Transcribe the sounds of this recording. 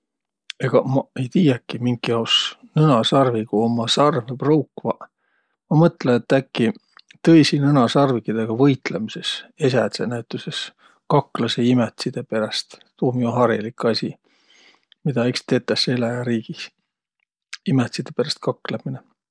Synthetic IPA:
eɡ̥ɑmɑe̞jt̪iːjɑkˑːimiŋɡiɑosnɤnɑsɑrviɡ̥uomɑsɑrveprowkːvɑ | mɑmɤt̪ːˑleet̪ːˑækˑːi | t̪ɤ̞jsinɤnɑsɑrvikːid̪̥eɡ̥ɑvɤjt̪lemise̞ses̬æt̪senæyt̪ːˑuses | kɑkːˑlɑseimet̪sid̪̥e̞pe̞ɾɑst̪t̪uːmiuɦɑɾilikɑsʲi | mid̪̥ɑekst̪e̞ːt̪ːˑɑselɑjɑɾiːɡ̥is | imet̪sid̪̥epeɾɑst̪̚kɑkːˑlɑmine

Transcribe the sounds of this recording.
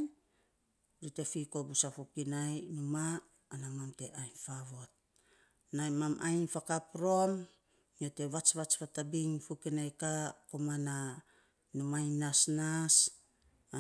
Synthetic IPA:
ɾite̞fiko̞busafukinajnumaː | namamte̞ʔajnfaβoat̚ | najmamʔajnfakapɾo̞m | ote̞βat͡ʃβat͡ʃpatabiŋfukinajkakomana | numajnasnas

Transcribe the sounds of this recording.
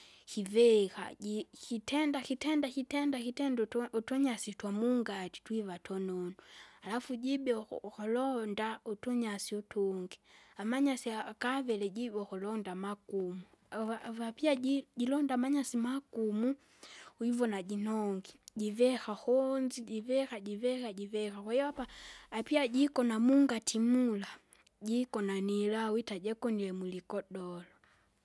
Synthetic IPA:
kivɛxa̰ikitɛndakitɛndakitɛndakitɛndutɔɲasitwamuŋɡati̥twivatʰɔnɔnualafuɟibɛhɔlɔndautɔɲasiutuŋɡiamaɲasiakavɛlɛɟibɔkɔlɔndamakumu | vapiaɟilɔndamaɲasimakumu | wivɔnaɟinɔŋɡiɟivɛxahɔnziɟivɛxaɟivɛhaɟivɛxakwaiwapaːpiaɟikɔnamuŋɡatimula | ɟikɔnanilawitaɟɛkɔnilɛmulikɔɗɔlɔ

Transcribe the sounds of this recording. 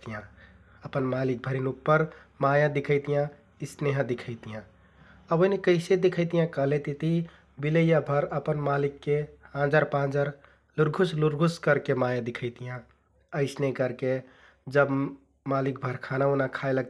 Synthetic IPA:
t̪ijã | əpənmalik̚bʱəɾinupːəɾmajãd̪ikʰəɪt̪ijã | isneɦə̃d̪ikʰəɪt̪ijã | əbənekəɪsed̪ekʰəɪt̪ijãkəɦlet̪it̪i | biləjabʱəɾəpənmalikːeãd͡ʒaɾpãd͡ʒaɾ | luɾɡʱusluɾɡʱuskəɾkemajãd̪ikʰəɪt̪ijã | əɪsnekəɾke | d͡ʒəb | malik̚bʱəɾkʰanaonakʰaɪləɡ̪̚

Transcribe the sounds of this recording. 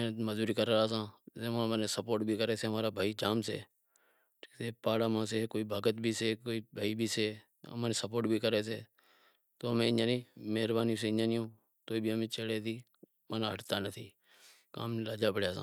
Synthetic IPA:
ẽməzuːɾiːkəɾːɾaːsãːzeːmãːmːneːsəpoːɾʈbʱiːkəɾeːseːɦəmaːɾaːbʱaːiːd͡ʒaːmsḛː | ʈʰiːkseːpaːɽaːmãːseːkoːiːbʱaːɡət̪bʱiːseːkoːiːbʱaːiːbʱiːseː | ə̰maːneːsəpoːɾʈbʱiːkəɾeːseː | t̪oːmẽːɪãːnĩːmeːɾbaːnis̬eːɪɲãːniːõː | t̪oːiːbʱiːəmẽːt͡ʃeɽeːt̪ʰiː | maːnaːɦəʈt̪aːnət̪ʰiː | ka̰ːmnlaːd͡ʒaːpəɽjaːsã̰ː

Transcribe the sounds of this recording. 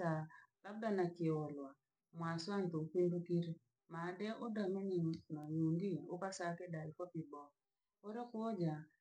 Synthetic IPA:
alab̚danakɪɔlwa | mwaswant̪okindokiɾe | madɛʔodamɛɲinajundiokasakɛdaifɔpibɔ | oɾekod͡ʒa

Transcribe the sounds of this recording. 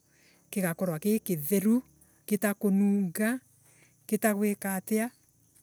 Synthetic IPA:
keɣakɔɾwakekeðɛɾu | ketakonuːŋɡa | ketaɣwekatea

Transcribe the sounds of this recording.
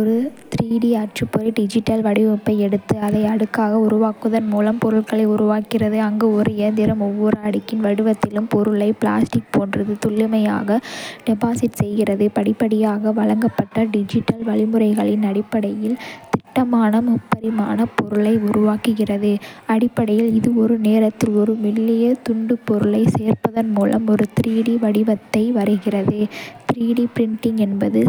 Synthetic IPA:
ɔɾɯt̪ɾiːɽiaːʈrɯpːɔɾɪɖɪd͡ʒɪʈːɐlʋɐɽɪʋɔpːɐɪɛɽɯt̪ːɯɐðɐɪɐɽɯkːaːɣɐʊɾʊʋaːkɯðɐnmuːlɐmpɔɾɯɭɣɐɭɐɪʊɾʊʋaːkɪrɐðɯɐŋɡeɔɾɯɪjɐnd̪ɪɾɐmɔʋːʊɾaːɽɪkːɪnʋɐɽɯʋɐt̪ːɪlɯmpɔɾɯɭɐɪpla̰ːsʈɪk̚poːndrɐðɯt̪ʊɭːɪmɐja̰ːɣɐɖ̥ɛbaːsɪʈsɛjɣɪrɐðɯpɐɽɪpːɐɽɪjaːɣɐʋɐɭɐŋɡɐpːɐʈːɐɖɪd͡ʒɪʈːɐlʋɐɭɪmɯrɐɪɣɐɭɪnɐɽɪpːɐɽɐjɪlt̪ɪʈːɐmaːnɐmʊpːɐɾɪmaːnɐpɔɾɯɭɐɪʊɾʊʋaːkɯɣɪrɐðɯɐɽɪpːɐɽɐjɪlɪðɯɔɾɯneːɾɐt̪ːɪlɔɾɯʋɪlːɪjɐt̪ʊɳɖɯpɔɾɯɭɐɪseːrpɐðɐnmuːlɐ̰mɔɾɯt̪ɪɾiːɽiʋɐɽɪʋɐt̪ːɐɪʋɐɾɯɣɪrɐðɯt̪ɪɾiːɽipɾɪɳʈɪŋɛnbɐðɯ

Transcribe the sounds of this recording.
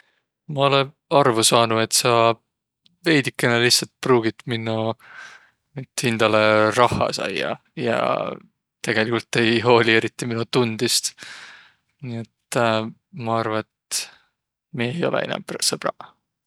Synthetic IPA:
mɑo̞le | ɑrvusɑːnue̞t̪ːˑsɑ | ve̞jd̪ikːˑenɑlihsɑlt̪̚pruːɡ̥it̪minːu | mit̪ːhind̪̥ɑlerɑhːɑ̰sɑ̰jːɑ̰ | jɑ̰ | t̪e̞ɡ̥e̞likult̪ːe̞jɦo̞ːlie̞ɾit̪ːˑiminut̪und̪̥ist̪ | niet̪ː | mɑɑrvɑet̪ | mie̞jo̞̰lḛḭnɑ̰mpsɤb̥ɾɑ̰

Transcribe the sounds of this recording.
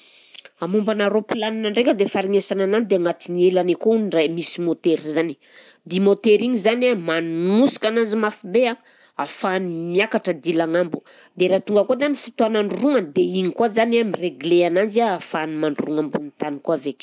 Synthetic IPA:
amumbanaɾopilaninaɳɖ͡ʐekʲəd̪efaɾimesananand̪eaŋat̪inielanekouniɳɖ͡ʐajmisimot̪eɾizani̥ | d̪imot̪eɾiɲizanamanumusi̥kananzimafibea | afanimiakaʈ͡ʂəd̪ilaŋambu | d̪eɾat̪uŋɡəkozanifut̪oanaɳɖ͡ʐuɾuŋand̪eiɲikuazanamireɡleananziaːfanimaɳɖ͡ʐuruŋambunit̪anikoavekʲ

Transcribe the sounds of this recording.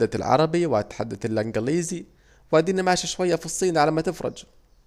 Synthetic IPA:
a̰lʕɑ̰ɾˤɑbiwat̪ħad̪ːat̪lʔaŋɡæliːzi | wad̪iːnamʕaːʃiʃwajːafisˤːiːnʕalamat̪ɪfɾˤɑ̰d͡ʒ

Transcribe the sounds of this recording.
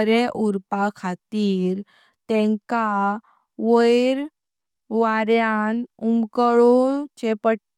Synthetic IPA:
ɾeʔuɾpakʰat̪iːɾ | t̪ɛ̃ŋka | ʋəjɾ | ʋaɾjanumkəɭot͡ɕepə

